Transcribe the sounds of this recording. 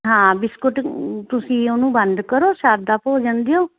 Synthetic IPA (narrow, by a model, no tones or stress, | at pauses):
ɦãːbɪskʊʈt̪ʊsĩːoːnũːbənd̪kəɾoːʃaːd̪aːpoːd͡ʒənd̪eõː